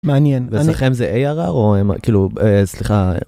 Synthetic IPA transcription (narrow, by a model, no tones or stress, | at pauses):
meanjenvesaχemzeʔejaʁa̰ʁoem̰kiːluesliχa